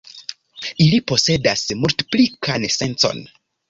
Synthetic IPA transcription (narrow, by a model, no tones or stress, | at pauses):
ilipo̞se̞dasmultplikanese̞nt͡so̞̰n